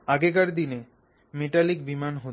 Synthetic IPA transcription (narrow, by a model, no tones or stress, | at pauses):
aɡekaɾd̪ine | meʈalikbimanɦo